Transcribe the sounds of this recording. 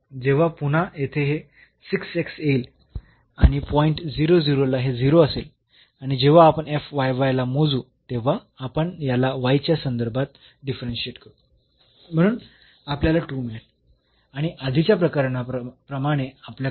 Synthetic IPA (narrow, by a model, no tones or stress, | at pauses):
d͡ʑeʋ̤apun̤ajet̪ʰeɦe | siksekseil | a̰ɽ̃ipɔiɳʈd͡ziɾod͡ziɾolaɦed͡ziɾoəsel | aɽ̃id͡ʑeʋaːpəɳefʋajʋajlamod͡zuː | t̪eʋ̤aː | pəɳjalaʋajt͡ɕjasənd̪əɾbʱat̪ | ɖifɾenɕieʈkəɾu | m̤əɽ̃uːn | apljalaʈuːmeɭt | aɽ̃iʔad̪ʱit͡ɕjapɾəkaɾnapɾəmaɽ̃eaplja